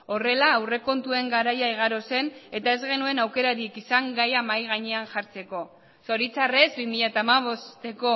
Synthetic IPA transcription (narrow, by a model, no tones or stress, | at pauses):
o̞re̞laːwre̞ko̞nt̪ue̞ŋɡaɾajaiɣ̞aɾo̞se̞ne̞t̪ae̞zɣe̞nue̞nawke̞ɾaɾikisaŋɡajamajɣaɲeanʝaɾt͡se̞ko̞ | so̞ɾit͡sare̞zbimiʎat̪aːmaβ̞o̞st̪e̞ko̞